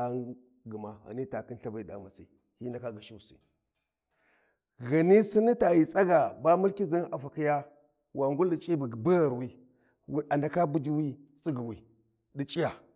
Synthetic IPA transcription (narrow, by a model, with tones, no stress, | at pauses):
a˨ | ɡə˨ma˨ɣa̰˨ni˦ta˨ki˦n˦ɬa˦ba˨i˨da̰˨ma˨sḭ˨ | hi˦nda˨ka˦ɡa˨ʃi˦wsḭ˨ | ɣa˨ni˦si˦ni˦ta˨ji˨t͡sʼa˦ɡa˨ba˦mu˦lki˦zi˦na˨fa˨ki˦ja˦ | wʔa˨ŋɡu˦ldi˨t͡ʃʼi˦bɡbə˦ɣa˨ɾwi˦ | wa˨nda˨ka˦bu˦d͡ʒi˦wi˦si˦ɡi˨wi˨ | ɗi˨t͡ʃʼi˦ja˨